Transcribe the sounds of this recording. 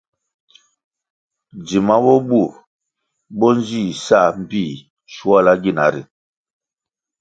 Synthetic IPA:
d͡zi˨ma˦bɔ˦bu˦˨ɾ | bɔ˦n˦d͡ʒi˦˨sa˦˨m̩˨pi˦˨ | ʃu˦a˦la˦ɡi˦˨na˨˦ɾḭ˨

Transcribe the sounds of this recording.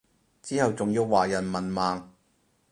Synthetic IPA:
t͡siː˥hɐ˨wt͡sʊ˨ŋjiː˧wːaː˨jɐ˨˩nmɐ˨˩nmaː˨ŋ

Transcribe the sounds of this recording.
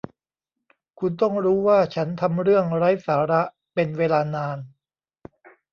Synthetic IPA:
kʰu˧nt̪ɔ˥˩ŋɾuː˦˥waː˥˩t͡ɕʰa˦˥nt̪ʰa˧mɾɯ˥˩əŋɾa˦˥jsaː˩˦ɾa˦˥ | pe˧nweː˧laː˧naː˧n

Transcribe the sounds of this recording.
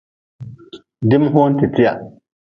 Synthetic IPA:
di˦mɦo˦n˦ti˨ti˦ja̰˨

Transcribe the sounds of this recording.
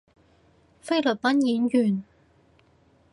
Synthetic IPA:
fe˥jlɵ˨˩t̚pɐ˥njiː˨˥njyː˨˩n

